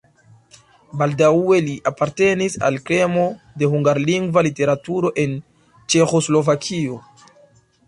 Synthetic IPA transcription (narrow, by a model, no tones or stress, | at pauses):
baldawe̞liʔapaɾte̞nisa̰lkɾe̞mo̞ | de̞ɦuŋɡaɾliŋɡvalite̞ɾatuɾo̞ʔe̞n | t͡ʃe̞xo̞slo̞vakʰio̞